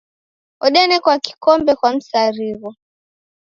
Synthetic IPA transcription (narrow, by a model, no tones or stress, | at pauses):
ɔɗɛnɛkwaki̥kɔmbɛkwam̩saɾiβɔ